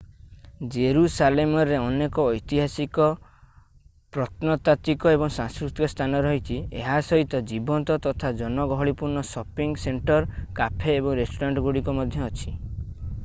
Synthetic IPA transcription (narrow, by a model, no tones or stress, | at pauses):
d͡ʒeɾusalemɔɾeɔnekɔːjt̪iɦasikɔ | pɾɔt̪nɔt̪at̪ikɔebɔŋsaŋskɾut̪ikɔst̪ʰanɔɾɔɦit͡ʃʰiḛɦasɔɦit̪ɔd͡ʒibɔnt̪ɔt̪ɔt̪ʰad͡ʒɔnɔɡɔɦɔɽipuɾnɔsɔpiŋseɳʈɔɾkapʰeːbɔŋɾesʈoɾaɳʈɔɡoɽikɔmɔd̪ʱjɔːt͡ʃʰi